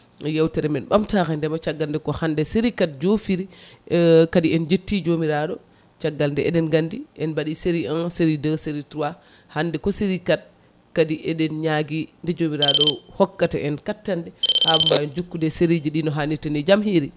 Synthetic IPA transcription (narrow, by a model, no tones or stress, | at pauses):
jawtɛɾɛmɛnɓamtaxɛndɛmat͡ʃaɡːalndɛkɔhandɛseɾikat̚d͡ʒofiɾi | kadiɛnd͡ʒetːid͡ʒomiɾaɗɔ | t͡ʃaɡːaldɛɛ̰ɗɛnɡandiʔɛnbaɗiseɾiɔnseɾidəseɾitɾuwa | handɛkɔseɾikat̚ | kadiʔɛɗɛnɲaɡindɛd͡ʒomiɾaɗɔhɔkːataʔɛnkatːandɛhabumajɛnd͡ʒokːudɛseɾid͡ʒiɗinɔɦanːitɛnɛd͡ʒamhiɾi